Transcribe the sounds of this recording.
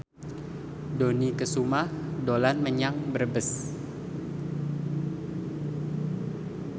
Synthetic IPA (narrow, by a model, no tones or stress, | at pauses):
donikəsumahdolanməɲaŋbərbəs